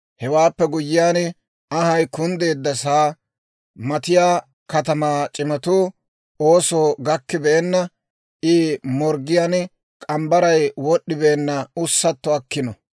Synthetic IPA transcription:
hɛwaːpːɛɡʊjːɪjaːn | ɐhɐjkʊnd̪e̞ːd̪ːɐsaː | mɐt̪ɪjaː | kɐt̪ɐmaːt͡ʃʼɪmɐt̪uː | oːsoːɡɐkːɪbɛʔɛnːɐ | ʔɪmɔɾɡɪjaːn | kʼɐmbɐɾɐjwɔɗːɪbɛːnːɐʊsːɐt̪ːɔɐkːɪnɔ

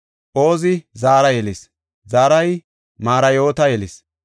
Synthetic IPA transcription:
ʔo̞ːzɪzaːɾɐjɛlɪs | zaːɾɐj | maːɾɐjo̞ːt̪ɐjɛlɪs

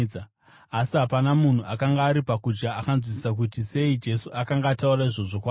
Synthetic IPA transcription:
asiɦapanamun̤uʔakaŋɡaːɾipakud͡ʒɡaakanzwisak̬utise̞id͡ʒe̞suʔakaŋɡaːtauraiʐo̞ʐokwa

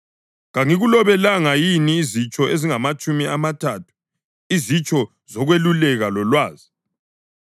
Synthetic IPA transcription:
ɣaŋiɣulɔβɛlaŋajiniːzit͡ʃʼɔʔeziŋamat͡ʃʼumiʔamatʰatʰu̥ | izit͡ʃʼɔ | zɔɣwelulɛɣalɔlwaːzi

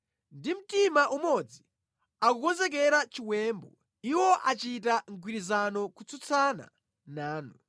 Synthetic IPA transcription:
ndim̩timaʔumɔd͡zi | akukɔnzɛk̬ɛɾat͡ʃiwɛmbɔ | iwɔʔat͡ʃitaŋɡwiɾizanɔkut͡sʰut͡sʰana̰ | naːnu

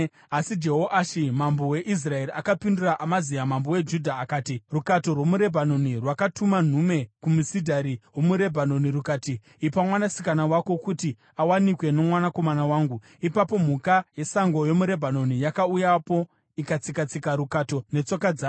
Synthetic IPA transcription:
asid͡ʒe̞ɦoʔaʃimamboweʔis̬rae̞ɾiakapinduraʔamazijamambowe̞d͡ʒudʱaːkaːtirukato̞rwo̞muɾe̞bʱano̞nirwakatuman̤ume̞kumusidʱaɾiɦo̞muɾe̞bʱano̞niɾukaːtiː | pamwanasi̥kanawako̞kuti | awanikwe̞no̞mwanako̞manawaːŋɡu | ipapo̞m̤ukaje̞saŋɡo̞jo̞muɾe̞bʱano̞nijakaujapo̞ | ikat͡sikat͡sikaɾukato̞ne̞t͡so̞kad͡zaː

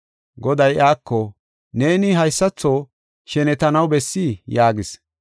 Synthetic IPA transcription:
ɡɔd̪ɐjaːkːɔ | ne̞ːnɪɦɐjsːɐt͡sːoː | ʃɛnɛt̪ɐnɐwbɛsːijaːɡɪs

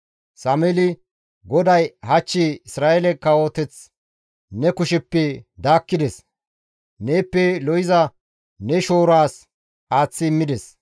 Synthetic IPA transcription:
saːmɛlɪ | ɡɔd̪ɐjhɐt͡ʃːɪɪsɾaːʔɛlɛkːɐwo̞ːt̪ɛt͡s | nɛkʊʃɛpːɛd̪aːkːɪd̪ɛs | ne̞ːpːɛlɔjɪzɐ | nɛʃo̞ːɾaːs | aːt͡sːɪːmːɪd̪ɛs

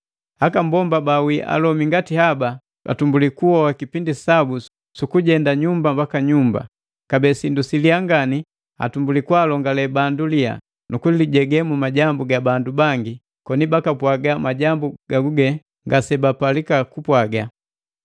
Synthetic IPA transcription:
hakambɔmbabawiʔa̰lɔmiŋɡatihaba | ka̰tumbulikuhɔwakipindisabu | sukuɟɛndaɲumbambakaɲumba̰ | kabɛsindusiliaŋɡani | a̰tumbulikwalɔŋɡalɛbandulia̰ | nʔukuiliɟɛɡɛmumaɟambuɡabandubaŋɡi | kɔnibakapwaɡamaɟambuɡ̥aɡuɡɛ | ŋɡasɛbapalikakupwaɡa

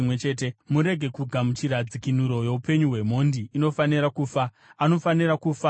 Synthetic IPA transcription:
mwet͡ʃe̞ːt̬e̞muɾe̞ɡʱe̞kuɡʱamut͡ʃiɾad͡zikinuɾo̞je̞upe̞ɲuɦwe̞mo̞ndiːno̞faniɾakuːfa | ano̞fanirakufa

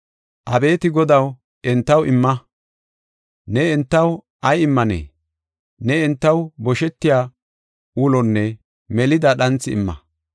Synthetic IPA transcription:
ʔɐbe̞ːt̪ɪɡɔd̪ɐw | ʔɛnt̪ːɐwʔɪmːɐ | nɛɛnt̪ːɐw | ʔɐjɪmːɐnḛː | nɛɛnt̪ːɐwbɔʃɛt̪ːɪjaː | ulɔnːɛ | mɛlɪd̪ɐɗɐnt͡sːɪɪ̰mːɐ̰

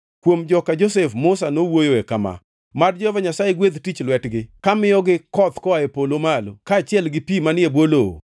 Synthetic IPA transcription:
kwomd͡ʒɔkad͡ʒosefmʊsanowojoekama̰ | madd͡ʒɔvaɲasajeɡwed̪tit͡ʃlwɛtɡɪkamɪjɔɡɪkɔt̪kɔaepolomalo̰kaːt͡ʃɪɛlɡɪpimanɪebwolo̰

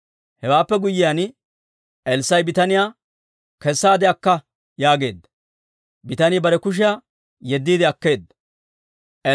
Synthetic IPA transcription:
hɛwaːpːɛɡʊjːɪjaːn | ɛlsːɐjbɪt̪ɐnɪjaː | kɛsːaːd̪ɛɐkːɐ | jaːɡe̞̰ːd̪ːɐ̥ | bɪt̪ɐnɪbɐɾɛkʊʃ̬ɪjaː | jɛd̪ːiːd̪ɪɐkːe̞ːd̪ːɐ | ʔɛ

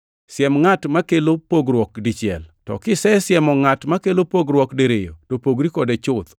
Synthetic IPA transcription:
sjɛmŋatmakelopoɡɾwɔk̚dit͡ʃɪɛ̰ltɔ̰kɪsɛsjɛmɔŋatmakelopoɡɾwɔkdeɾejo̰topoɡɾikɔdet͡ʃʊt̪

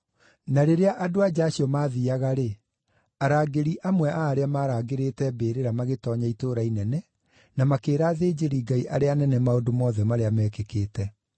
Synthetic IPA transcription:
naɾeɾeaʔadoad͡ʒaːɕiɔmaːðiaɣaɾe | aɾaːɡeɾiʔamwɛʔaːɾeamaːɾaːɡeɾeːtɛbeːɾeɾamaɣetɔɲaitoɾainɛnɛ | namakeːɾaːðeːd͡ʑeɾiːɡaiʔaɾeanɛnɛmaodomɔːðɛmaɾeamɛːkekeːtɛ

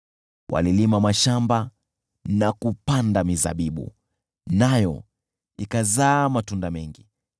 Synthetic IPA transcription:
wʔa̰lilimamaʃamba | nakupandamiza̰ɓiɓṵ | najɔ̰ | ikazaːmatundamɛŋɡi

